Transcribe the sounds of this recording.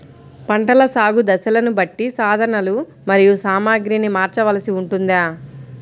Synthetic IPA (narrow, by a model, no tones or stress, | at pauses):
pɐɳʈɐlɐsaːɡud̪ɐsɐlɐnubɐʈːisaːd̪ʱɐɳɐlu | mɐɾijusaːmaːɡɾinimaːɾt͡ʃɐʋɐlɐsiuɳʈund̪aː